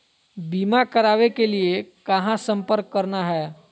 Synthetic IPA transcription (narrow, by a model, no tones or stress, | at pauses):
biːmakɐɾaːʋekeliekɐɦãsɐ̃mpəɾkːɐɾnaɦɛː